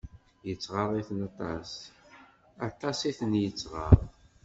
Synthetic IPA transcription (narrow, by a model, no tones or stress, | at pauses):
jət͡sːʁəɾˤiθnɑt̪ˤɑ̰s | ɑt̪ˤɑsiθənjət͡sːʁə̰ɾˤ